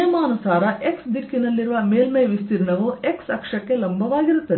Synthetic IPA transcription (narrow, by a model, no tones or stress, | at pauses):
ɐmaːnusaːɾɐʔe̞ksd̪iʈkːinɐlːiɾuʋɐmeːlmeʋist̪iɾɳɐʋueksɐkʂɐkːe̞lɐmbʱɐʋaːɡiɾut̪ːɐd̪